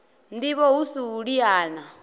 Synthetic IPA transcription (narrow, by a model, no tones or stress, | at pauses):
ndiβɔɦusiuɺiaːna